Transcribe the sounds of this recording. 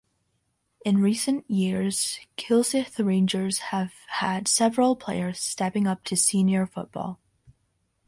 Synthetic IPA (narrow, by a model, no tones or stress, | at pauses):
ɪ̃nɹisə̃nʔjiɹz̥kʰɪlˠsɪθɹẽnd͡ʒə˞z̥əv̥əd̥sɛvɹəlˠpʰl̥eɪə˞z̥stɛpɪ̃ŋʌp̚tʰɨsĩnjə˞fʊʔ̚b̥ɔ̰lˠ